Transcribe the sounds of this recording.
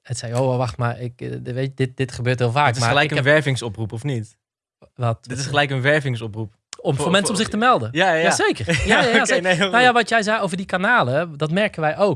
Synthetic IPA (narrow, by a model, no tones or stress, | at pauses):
ətsɛjowʋɔʋaχtmaɹɪkʋejtdɪt̚dɪtχəbøːɹtɦɪːlˠfaːɪaəlɛjkəʋɛɹvɪŋsɔprupɔfnit | ʋɔtdɪtɪsxəlɛjkənʋɛɹvɪŋsɔprup | ɔmfoɹmɛnsəɔmzɪχtəmɛlˠdəjajazeːkərjajaasenawjaʋɔtjɛjzɛjowvərdikanaːlədɔtmɛɹkənʋɛjʔowk